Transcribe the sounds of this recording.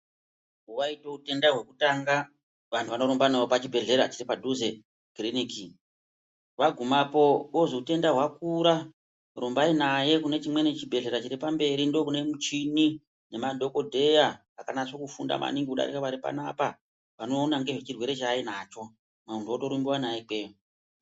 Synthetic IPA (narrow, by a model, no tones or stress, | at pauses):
uʋaito̞ute̞ndaɦwe̞kutaŋɡa | ʋantʰuʋano̞ɾombanaopat͡ʃibʱe̞ɮe̞ɾat͡ʃiɾipadʱuze | ɡriniki | ʋaɡʱumapo̞ɓoʐiute̞ndaɦwakuɾa | rombainaje̞kune̞t͡ʃimwe̞net͡ʃibʱe̞ɮe̞ɾat͡ʃiɾipambe̞ɾindokune̞mut͡ʃini | ne̞madʱo̞ko̞dʱe̞jaː | kanaʂokufunda̰ma̰niŋɡiuɗa̰ɾikaʋaɾipa̰napa | ʋano̞ːnaŋɡe̞ʐet͡ʃirwe̞ɾe̞t͡ʃaːinat͡ʃo̞ | maunduoto̞ɾumbiwanajeke